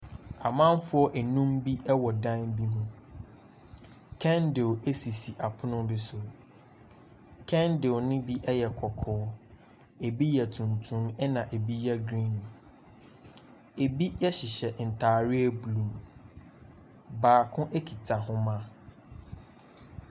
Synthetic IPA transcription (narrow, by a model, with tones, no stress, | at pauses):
a˨mã˦n˦fʊ˦ɔ˦ʔæ˨nũ˦mbi˦ʔɛ˦wɔ˨dã˦nbi˦nũ˦ | kʰɛ̃˦ndɪ˨we˦si˨si˨ʔa˨pʰʊ˦nʊ̃˦bɪ˨sʊ˨ | kʰɛ̃˦ndɪ˨wnɪ̃˦bi˦ʔɛ˦jɛ˨kʰɔ˨kʰɔː˦ | e˨bi˦jɛ˨tʰũ˨ntʰũ˦mɛ˦nã˨ʔe˨bi˦jɛ˦ɡɾĩ˦nũ˨ | e˨bi˦ɛ˦ɕɪ˨ɕɛ˨n̩˨tʰaː˨ɾɪ˦e˦bu˨lũ˨m | baː˨kʰʊ̃˦ʔe˦kʰi˨tʰa˨ɦʊ̃˦mã˦